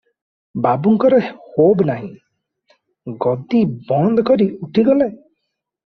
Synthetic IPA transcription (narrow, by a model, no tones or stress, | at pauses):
babuŋkɔɾɔhobnaɦḭ̃ | ɡɔd̪ibɔnd̪ɔkɔɾiuʈʰiɡɔle